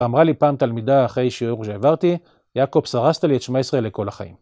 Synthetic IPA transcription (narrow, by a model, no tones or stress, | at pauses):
amʁalipaːmt̪almid̪aːχʁe̞jʃiuʁʃeavaʁt̪i | jako̞bsaʁast̪aliet̪ʃmaesʁele̞ko̞laχa̰ḭm